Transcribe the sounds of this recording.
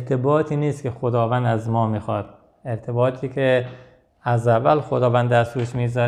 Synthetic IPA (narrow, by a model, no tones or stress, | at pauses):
eɾt̪ʰebɒːt̪ʰiːniːst̪kʲexod̪ɒːvænd̪æzmɒːmiːxɒːd̪̥̚ | eɾt̪ʰebɒːt̪ʰiːkʰe | æzævælxod̪ɒːvænd̪æɾsuːʃmiːzɒːɾ